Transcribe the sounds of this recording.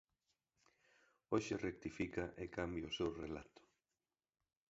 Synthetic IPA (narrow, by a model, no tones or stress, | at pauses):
oʃɪrek̚t̪ifikɐʔekambjʊsewrela̰t̪ʊ̥